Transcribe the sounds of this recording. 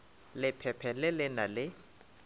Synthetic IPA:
lɪpʰɛpʰɛlɪlɪnalɪ

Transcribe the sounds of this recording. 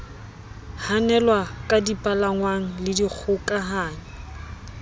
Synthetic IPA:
hanɛlwakʼadipʼalaŋwaŋ̩lɪdik͡xʰʊkʼaɦaːŋɛ

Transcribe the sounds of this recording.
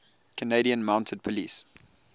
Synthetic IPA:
kʰəneɪɾiə̃nmãʊ̃ntʰəd̚pʰəlḭːs

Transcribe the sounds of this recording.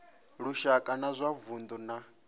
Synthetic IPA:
ɺuʃakʼanazʷavund̪ɔna

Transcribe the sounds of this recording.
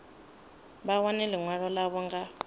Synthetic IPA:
bawanɛliŋwaɺɔlaβɔŋɡa

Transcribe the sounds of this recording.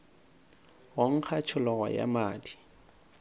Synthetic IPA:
woŋ̩k͡xʰat͡ʃʰʊlɔɣa̰ja̰maːdi̥

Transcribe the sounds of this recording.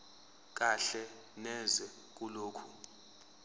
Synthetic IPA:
k̬ʼaɬɛ | nɛzɛ | k̬ʼuloːkʰu

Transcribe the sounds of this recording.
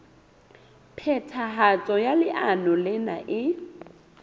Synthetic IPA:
pʰɛtʰaɦat͡sʼɔjalɪʔanɔlɪnaʔɪ

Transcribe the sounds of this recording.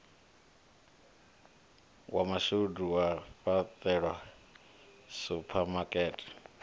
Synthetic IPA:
wamaʃuduwafat̪ʼɛɺwa | supʰamakʼɛːtʰʼi̥

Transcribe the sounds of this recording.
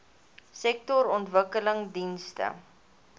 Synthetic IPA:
sɛk̚tɔɾɔntvəkələŋdinstə̰

